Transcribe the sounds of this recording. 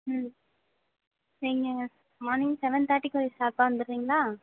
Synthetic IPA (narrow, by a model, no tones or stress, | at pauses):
iŋɡɐ | mɔːnɪŋsɛʋɛnt̪aːʈːɪkːɔisaːpaʋɐnd̪ɯɾɾiːŋɡɐlaː